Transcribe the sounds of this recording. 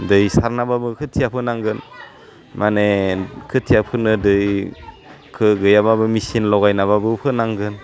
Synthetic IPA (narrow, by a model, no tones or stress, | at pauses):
dɯjsaɾnababɯkʰɯtʰijapʰɯnaŋɡɯn | manekʰɯtʰijapʰɯnɯdɯj | kʰɯɡɯjababɯmisinlɔwɡajnaβabɯpʰɯnaŋɡɯn